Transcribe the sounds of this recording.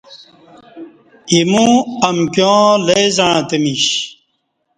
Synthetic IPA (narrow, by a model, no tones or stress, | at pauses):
imũɐmkjõːlezaɻ̃ãt̪emiɕ